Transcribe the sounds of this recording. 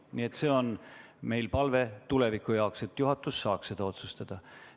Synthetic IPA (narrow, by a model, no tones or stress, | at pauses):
nie̞t̪se̞ːo̞nme̞jlpɑlve̞t̪ule̞vikːˑujɑokse̞t̪ːˑjuɦɑt̪ːˑusːɑːkssed̪̥ɑo̞t̪sust̪ɑd̪̥ɑ